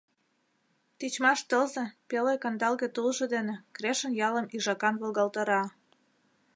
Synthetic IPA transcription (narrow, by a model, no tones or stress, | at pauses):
t̪it͡ɕmɑʃt̪əlzĕpelekɑnd̪ɑlɣet̪ulʒɤ̆d̪enĕkɾeʃə̆njɑləmiʒɑkɑnβolɣɑlt̪ɑɾɑ